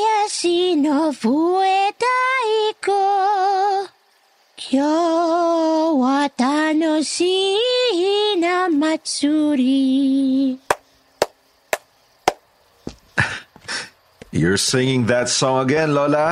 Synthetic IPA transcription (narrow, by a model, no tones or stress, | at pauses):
jasinovuɛt̪aiko | kʰjo | wat̪anosiɦinɐmɐsuɾi | jɔ˞sɪ̃ŋɪ̃ŋðət̪sɔ̃ŋəɡɛ̃nlɔla